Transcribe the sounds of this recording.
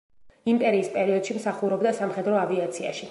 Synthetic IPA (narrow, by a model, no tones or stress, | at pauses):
impʼɛɾiːspʼɛɾiɔd̪̥ʃimsaχuɾɔbd̪asamχɛd̪ɾɔaviat̪sʰia̰ʃi